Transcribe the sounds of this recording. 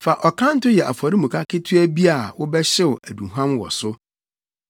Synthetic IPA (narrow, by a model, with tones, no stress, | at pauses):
fa˨ʔɔ˨kʰã˦n̩˦tʊ˦jɛ˨ʔa˨fɔ˨ɾi˦mũ˨kʰa˦kʰɪ˦tʰʊ˦æ˦bi˦a˨wʊ˦bɛ˦ɕɪ˦wʊ˨æ˨dũ˨ɦã˦mwɔ̰˨sʊ˦